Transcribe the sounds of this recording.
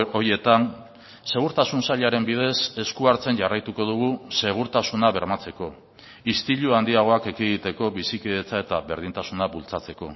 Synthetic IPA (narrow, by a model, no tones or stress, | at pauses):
oɾje̞t̪an | se̞ɣ̞uɾt̪asunsaʎaɾe̞mbið̞e̞se̞skuaɾt͡se̞nʝarajt̪uko̞ð̞uɣ̞use̞ɣ̞uɾt̪asunaβe̞ɾmat͡se̞ko̞ | ist̪iʎuand̪iaɣ̞o̞ake̞kiɣit̪e̞ko̞βisikiðet͡sae̞t̪aβe̞ɾðint̪asunaβult͡sat͡se̞ko̞̰